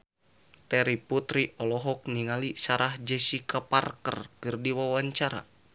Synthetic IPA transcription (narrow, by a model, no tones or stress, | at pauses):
t̪ɛɾiput̪ɾiʔɔlɔɦɔk̚niŋalisaɾʔahd͡ʒɛsikaparkə̰rkɨrdiwawaɲt͡ʃaɾa̰